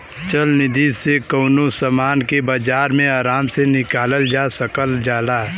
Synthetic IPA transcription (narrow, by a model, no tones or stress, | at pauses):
t͡ʃəlnɪd̪iːzsekoːnosəmaːnkebad͡ʒaːɾmẽaːɾaːmsenɪkaːləld͡ʒaːsəkəld͡ʒaːlaː